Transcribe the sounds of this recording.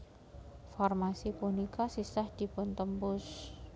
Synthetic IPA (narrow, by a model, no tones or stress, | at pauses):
fɔrmasipunikasisahd̪̥i̤pʊnt̪əmpʊs